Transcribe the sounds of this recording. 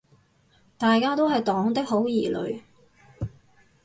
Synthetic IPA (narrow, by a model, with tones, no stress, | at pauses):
t̪aː˨jkaː˥t̪o˥wɦɐ˨jt̪ɔː˨˥ŋt̪ɪ˥k̚ho˨˥wjiː˨˩lɵ̰˨˧ɥ